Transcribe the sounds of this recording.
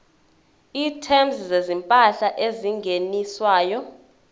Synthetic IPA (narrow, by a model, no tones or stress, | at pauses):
iːtʰɛmzzezimpʼaɬaʔeziŋɡʱeniswaːjɔ